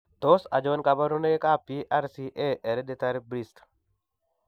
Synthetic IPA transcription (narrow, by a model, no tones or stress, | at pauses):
t̪osa̰d͡ʒonkabaɾunekapiʔaɾsiʔeʔɛɾɛdɛt̪aɾbɾist